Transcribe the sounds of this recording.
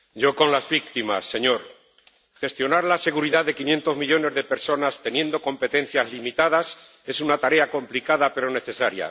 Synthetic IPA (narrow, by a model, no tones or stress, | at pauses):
ɟ͡ʝo̞ko̞nlazβik̚t̪ima̰sːe̞ɲo̞ɾ | xe̞st̪jo̞naɾlase̞ɣ̞uɾiðaðe̞kinje̞nt̪o̞zmiʎo̞ne̞zðe̞pe̞ɾso̞nast̪e̞nje̞nd̪o̞ko̞mpe̞t̪e̞nθjazlimit̪aðas | e̞sunat̪aɾe̞ako̞mplikaðape̞ɾo̞ne̞θe̞saɾja̰